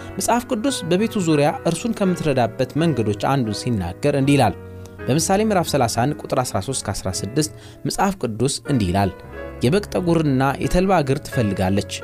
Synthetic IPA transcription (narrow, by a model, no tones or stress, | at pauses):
mɨsʼhafkʼɨd̪ːusbəβe̞t̪ʰuzuɾjaʔɨɾsunkʰəmːɨt̪ɾəd̪abːət̪məŋɡəd̪o̞t͡ʃːa̰nd̪unsinːa̰ɡːəɾɨnd̪ihilal | b̥əmɨsale̞mɨɾafsəlasankʼut̪ʼɨɾasɾaso̞st̪kʰəasɾa̰sɨd̪ːɨst̪ | mɨsʼhafkʼɨd̪ːusɨnd̪ihila̰l | jɛβəkʼt̪ʼəɡuɾɨnːajʔɛ̰t̪ʰəlβaɡɨɾt̪ʰɨ̥fəlːɨɡalːət͡ʃː